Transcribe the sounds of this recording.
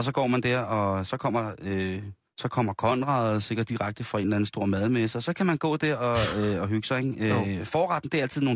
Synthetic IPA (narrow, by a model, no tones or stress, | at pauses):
ɒsɒ̽ɡ̥ɒ̰ːmænd̥æɐ̰ɒ̽sɒ̽kʰɒ̽m̰ɐø | sɒ̽kʰɒ̽m̰ɐkʰɒ̽nʁɑ̈ð̩ˠse̝ɡ̥ɐdd̥iʁaɡ̥̚d̥əfɒe̝nlæn̩sd̥o̝ɐ̰mæðˠmesəɒ̽sɒ̽kʰæmænɡ̥ɔ̰ːd̥e̝ɒ̽øɒ̽ɦyɡ̥sɐeŋøfɒːʁɑd̥n̩d̥e̝ɐæl̰t͡sʰiðˠno̝ː